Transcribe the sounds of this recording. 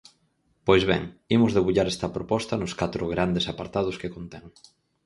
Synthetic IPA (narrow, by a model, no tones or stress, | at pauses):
pojzβɛ̰ŋimʊzðeβuʎaɾɛst̪ɐpɾopɔst̪ɐnʊskat̪ɾʊɣɾand̪esapaɾt̪að̞ʊskekont̪ɛŋ